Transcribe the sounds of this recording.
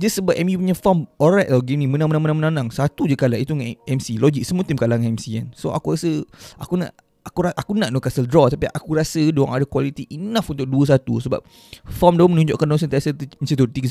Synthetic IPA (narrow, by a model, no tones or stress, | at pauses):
d͡ʒəsəbapʔɛmjupuɲafamɔɾajt̪̚aɡinĩmənãŋmənaŋmənãmənãnãŋsat̪ud͡ʒəkalaʔit̪uŋɛmsilɔɡik̚səmut̪imkalaŋɛmsia̰nsoʔa̰kuɾasəʔakuna̰ʔ | akuɾaʔakunaʔnokasəldɾɔt̪apiʔa̰kuɾasədoaŋadakwalit̪iʔinãfunt̪ʊk̚duəs̬at̪usəba̰p̚ | famdaəmənũɲd͡ʒo̰ʔkandɔŋs̬ənt̪iasət̪əsət̪ut̪iɡə